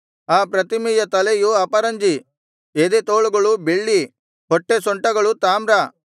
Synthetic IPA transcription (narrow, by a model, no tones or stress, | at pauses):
aːpɾɐt̪imijɐt̪ɐlejuɐpɐɾɐɲd͡ʒi | ed̪et̪oːɭuɡɐɭubeɭːi | ɦɔʈːesɔɳʈɐɡɐɭut̪aːmɾɐ